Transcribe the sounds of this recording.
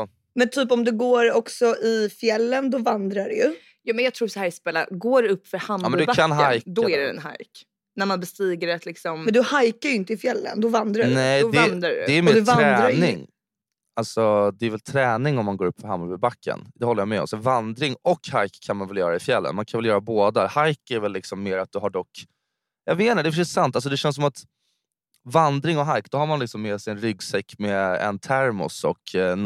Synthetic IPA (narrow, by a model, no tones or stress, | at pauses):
ɔ | mɛnt̪ʰyːpɔmd̪ɵɡoːɾɔksɔʔɪfjɛlːənd̪ɔvand̪ɾaɖɛjɵ | jɑːmɛnjɑɡt̪ʰɾuːsahæːɾspɛlːa̰ɡoːɾɛɵpːfœɾhamːmɛnbaanɦajd̪ɔæɾɛɛ̰nɦa̰jk | næɾmanbɛst̪iːɡəɾat̪ʰlɪksɔmɛnd̪ɵhajkajɵɪnt̪əɪfjɛlːə̰nd̪ɔvand̪ɾanɛɔnd̪ɾaɾd̪ɛæmɔd̪ɵvanɾɛd̪ːɾaɾnɪŋ | alsɔd̪ɛɛɾvɛlt̪ʰɾɛːnɪŋɔmːanɡoːɾɵpːfɔɦamːavɪbakʰːə̰nd̪ɛhɔlːəjamɛɔ̰msɛvand̪ɾɪŋɔkhajkʰːanmanvɛljœːɾaɾɛɪfjɛlːə̰nmankʰanvɛljœːɾaboːd̪ahajkæɾvɛlːɪksɔmːeːɾat̪̚d̪ɵɦaɖɔkː | jaɡveːnaɖ̪ɛfœʂɛsant̪alsɔd̪ɛɕɛnsɔmat̪ | vand̪ɾɪŋɔɦajkd̪̥ɔɦaɾmanlɪksɔmːeːsɛjɛnɾʏɡsɛkːmɛɛ̰nt̪ʰæɾmʊ̰sɔ̰k̪